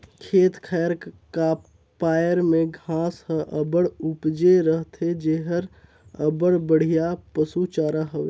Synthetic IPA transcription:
kʰeːt̪kʰajəɾka | pajəɾmẽɡʱãsə̃ʔəbəɽupd͡ʒeɾəɦt̪ʰed͡ʒeɦəɾ | əbəɽbəɽ̤ijapəsut͡ʃaːɾəɦəʋe

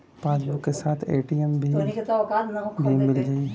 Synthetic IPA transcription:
paːsbʊkːesaːt̪ʰeːʈiɛmbʱiiket̪aːʋɐkaːt̪nɐɦokʰbʱimɪld͡ʒaːi

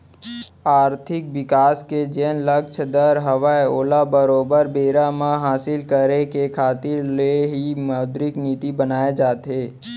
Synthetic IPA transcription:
aːɾt̪ʰɪk̚ʋɪkaːsked͡ʒeːnləkt͡ʃʰd̪əɾɦəʋaeoːlabəɾoːbəɾbeːɾamãɦaːsɪlkəɾekekʰaːt̪ɪɾleɦimaːd̪ɾɪkniːt̪ibənaːed͡ʒaːt̪ɦeː

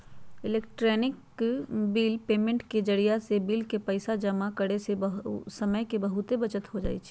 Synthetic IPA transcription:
ɪleːkʈɾɛːnɪk | biːlpeːmẽɳʈked͡ʒəɽijasebiːlkepəɪsad͡ʒɐmakəɽesesəməjkebɐɦʊt̪ebɐt͡ʃət̪ɦod͡ʒa̰ːḭt͡ʃʰi

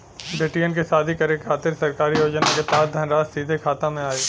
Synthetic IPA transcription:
beːʈijənkesaːd̪ʱikɐɾekʰaːt̪ɪɾsɐɾkaːɾijoːd͡ʒnaket̪aːd̪ʱɐnɾaːzsiːd̪ʱekʰaːt̪ãmẽaːeː

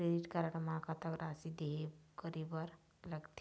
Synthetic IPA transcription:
kɾediʈkaɾəɽmakat̪aɡɾasid̪eɦekəɾibəɾ | ləɡt̪ʰ

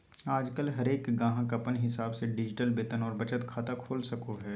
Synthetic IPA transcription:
aːd͡ʒkəlɦɐɾeːkɡãːɦãkɐpənɦɪsaːbseɖɪd͡ʒɪʈəlbeːt̪ənɔːɾbɐt͡ʃət̪kʰaːt̪akʰoːlsɐkoɦɛː

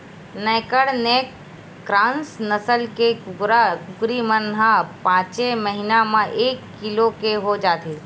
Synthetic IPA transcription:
nɛ̃kəɽnekː | ɾãːnsnəsəlkekʊɾakʊkɾimənɦãpãːt͡ʃeməɦinamãʔeːkːɪlokeɦod͡ʒaːt̪iː

